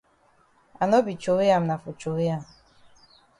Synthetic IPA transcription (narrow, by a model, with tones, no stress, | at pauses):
a˨nɔ˦bi˨t͡ʃo˨˦a˨m̩˨na˨fu˨t͡ʃo˨˦ja˦˨m˨